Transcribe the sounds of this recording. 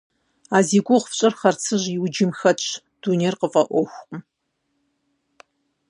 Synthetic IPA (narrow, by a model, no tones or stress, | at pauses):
aːziːɡʷʊʁfɕʼɨrχɐrt͡sʰɨʑiwd͡ʒɪmxɐt͡ʃ | d̥uneːrqəfʼɐʔʷɔxʷqʼ